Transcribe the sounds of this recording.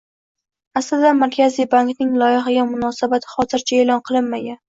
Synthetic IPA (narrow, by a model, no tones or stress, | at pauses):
aslɪd̪amaɾkʲazijbaŋknɪŋlˠɒjɪɦaɡʲamʊnɒsabat̪ʰɪ̥χɒt̪ɪɾt͡ʃʰae̞lˠɒnqʰɨlˠɪnmaɡʲan